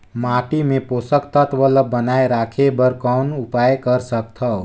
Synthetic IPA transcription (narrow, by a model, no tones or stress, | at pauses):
maːʈimẽpoːsəkt̪ət̪ʰʋələbənaːeɾaːkʰebəɾkɔnʊpaːjkəɾsəkt̪ʰɦə